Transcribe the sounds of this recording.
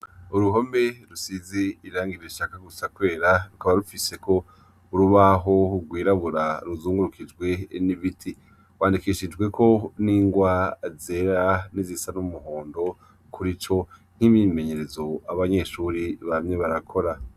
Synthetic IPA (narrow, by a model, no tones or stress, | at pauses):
uɾuɦo̞mbe̞ɾusiziiɾaːŋɡiɾeʃakaɡusakwe̞ːɾaɾukaβaɾufise̞kʰo̞ | uɾuβaɦo̞uɡwiːɾaβuɾaɾuzuːŋɡuɾukʰid͡ʒɡwe̞niβitʰi | waːndikiʃid͡ʒɡwe̞kʰo̞niːŋɡwazeɾanizisanumuɦo̞ːndo̞ | kʰuɾit͡ʃo̞n̥himime̞ɲeɾezo̞aβaɲe̞ːʃuːɾiβamɲe̞βaɾakʰo̞ɾa